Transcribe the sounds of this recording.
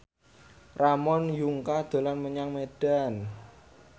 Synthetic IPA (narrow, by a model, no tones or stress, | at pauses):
ramɔnjuŋkad̪̥a̤lanməɲaŋmed̥a̤n